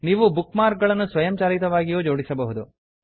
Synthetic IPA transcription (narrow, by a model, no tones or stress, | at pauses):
niːʋubukmaːɾk̚ɡɐɭɐnːusʋɐjɐmt͡ʃaːɾit̪ɐʋaːɡijoːd͡ʒo̞ːɽisɐbɐɦud̪u